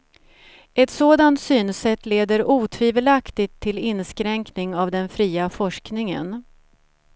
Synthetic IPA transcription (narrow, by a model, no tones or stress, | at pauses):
ɛt̪soːd̪ant̪syːnsɛt̪ːleːd̪əɾuːt̪ʰviːvəlakt̪ɪt̪ʰːɪlɪnskɾɛŋknɪŋavd̪ɛnfɾiːafɔʂknɪŋə̰n